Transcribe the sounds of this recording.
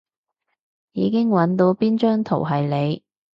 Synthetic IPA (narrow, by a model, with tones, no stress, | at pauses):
jiː˨˧kɪ˥ŋwɐ˨˥nt̪o˨˧˥wpiː˥nt͡ʃœː˥ŋt̪ʰo̰˨˩wɦɐ˨jle˨˧j